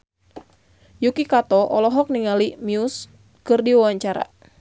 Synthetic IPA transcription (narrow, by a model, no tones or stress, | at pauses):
jukikat̪ɔʔɔlɔɦɔk̚niŋalimius | kɨrdiwawaɲt͡ʃaɾa̰